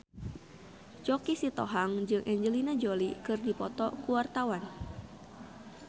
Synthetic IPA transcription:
t͡ʃɔkisit̪ɔɦaŋd͡ʒɨŋʔɛɲd͡ʒəlinad͡ʒolikɨrdipɔt̪ɔkuwart̪awan

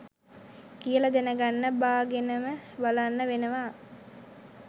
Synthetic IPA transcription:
kijəlad̪enəɡanːəbaːɡenəməbalanːəʋenəʋaː

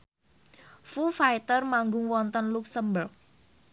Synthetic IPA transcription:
fufajt̪ərmaŋɡʊŋwɔnt̪ənluksəmbəl

